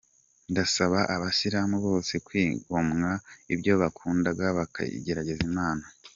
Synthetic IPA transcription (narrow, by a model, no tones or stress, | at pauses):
ndasaβaʔaβasiɾamuβo̞ːse̞kwiːɡomŋaibɟo̞βakʰuːndaɡaβaka̰ḭɟe̞ɾaɟe̞zimaːna